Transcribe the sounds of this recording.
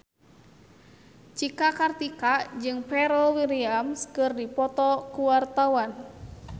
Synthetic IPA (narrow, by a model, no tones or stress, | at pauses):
t͡ʃikakart̪ikad͡ʒɨŋpɛɾɔwiɾiamskɨrdipɔt̪ɔkuwart̪awan